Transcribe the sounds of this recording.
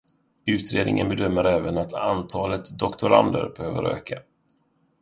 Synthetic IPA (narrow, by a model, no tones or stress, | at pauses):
ʉ̟ːt̪ɾeːd̪nɪ̰ŋʔə̰nbɛd̪œmːəɾɛːvənat̪ʰant̪ʰɑːlət̪d̪ɔkt̪ʊɾa̰nd̪ə̰ɾbɛhøːvə̰ɾø̰ːkʰa